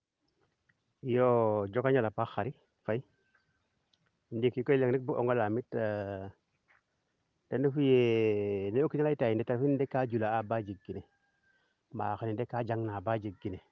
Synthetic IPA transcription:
jod͡ʒokaɲalapaxaɾi | fai | ndikikoleŋnibuʔɔ̰ŋɡɔlamitː | d̥endefujeneokːialaitajindɛtaɾfindekːad͡ʒulaabad͡ʒiɡine | maːxənindekːad͡ʒaŋnabad͡ʒiɡːine

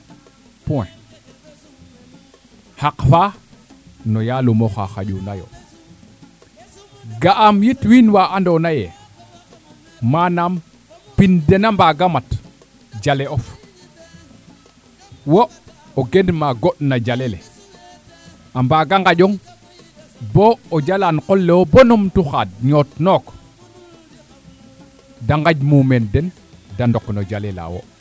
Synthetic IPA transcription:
puwɛ̰ | hakfa | nɔjalumoxa̰xa̰ʄunajo̰ | ɡaʔamjitwinwaʔandonajɛ | manam | pindɛnambaɡamat | d͡ʒaleɔf | wo | oɡendmaɡoɗnad͡ʒalelḛ | ambaɡaŋɡaɟɔŋ | bood͡ʒalankolːewobonumtuxad̚ɲotnok | daŋɡaɟmumendɛn | dandoknod͡ʒalela̰wo̰

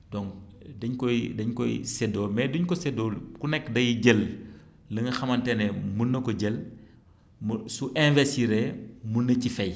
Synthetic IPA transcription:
dɔŋk | dɐɲkɔjdɐɲkɔjsɛdɔːlmɛduɲkɔsɛdɔːlkunɛkːdɐjiɟəl | lɐŋɡɐxɐmɐntɛnɛmunːɐkɔɟəl | msuʔɛ̃vɛstiɾɛmunːɐcifɛj

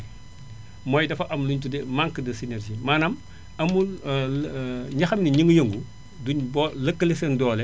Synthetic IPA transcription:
mɔːjdɐfɐʔɐmluɲtudɛmaŋkədɐsinɛrd͡ʒimaːnɐm | ɐmul | ɲɐxɐmniɲiŋɡjəŋɡu | duɲbɔləkːəlisɛndɔːlɛ

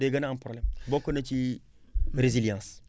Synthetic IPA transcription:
deɡanaãmpɾoblɛmbokːonat͡ʃi | ɾeziljãs

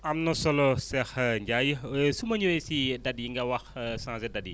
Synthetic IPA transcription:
ɐmnɔsɔlosɛxɲd͡ʒajsumɐɲuwesidɐdiŋɡɐwɐxsãːzɛdadi

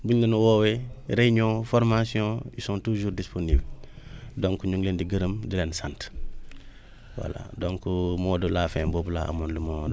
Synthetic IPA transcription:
buɲlenuwoːweɾeɲõfoɾmasiõjisõːntuʒuːɾdisponiːb | doŋkuɲuŋlendiɡəɾəmdilensant | wa̰la̰doŋkumoːdulaːfeːmbobla̰a̰mondumo

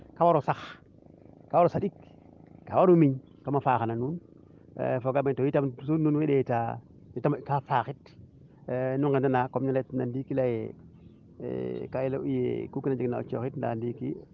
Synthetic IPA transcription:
kawaɾosax | kawaɾosaɗik | ka̰waɾumiɲ | kamafaxananuːn̰ | foɡamentowitamsununwiɗeta | jitamkafaxit | nuŋkendanakomɲletnandikilajḛ | kajiloʔujḛkukinad͡ʒiknao̰t͡ʃo̰xitnda̰ndikḭ

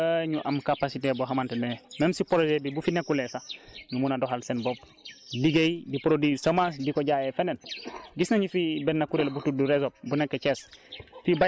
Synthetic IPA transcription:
ɲuʔamkapasiteboɦamantemememsipoɾod͡ʒedibufinekulesaɲumunadoɦalsenbob̚ | liɡejidipoɾodisɐmas̬dikoɟaːjefenenɡisnaɲufibennakuɾelbutuduɾezop̚bunekːet͡ʃesfiba

